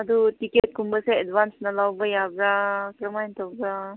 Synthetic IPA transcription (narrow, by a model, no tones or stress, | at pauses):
ad̪utiket̚kumbəseːdbansnalawbajabɾakɾɐmajnt̪ɔbɾa